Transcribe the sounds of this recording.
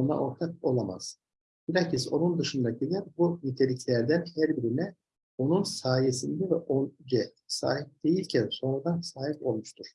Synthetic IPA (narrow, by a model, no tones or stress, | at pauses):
ona̰ʔo̞ɾt̪ʰak̚o̞lˠama̰z̥ | b̥iɾaciso̞̰nund̪ɯʃɯnd̪aɟilʲæɾbumit̪ʰe̞lʲiclʲæɾd̪ænhæɾbiɾinɛ | o̞nunsaːjesind̪ɛvɛʔond͡ʒɛ | sa̰ːɦip̚d̪̥e̞jilʲcʰænso̞nɾad̪ansaːɦipo̞̰lˠmuʃt̪ʰuɾ̥